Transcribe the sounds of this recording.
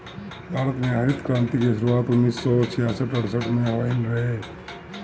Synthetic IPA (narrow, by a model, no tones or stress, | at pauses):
bʱaɾət̪meɦəɾit̪kɾãnt̪ikesɾuat̪unːisːɔt͡ʃʰijasəʈəɽsəʈmeɦaɪnɾəɦe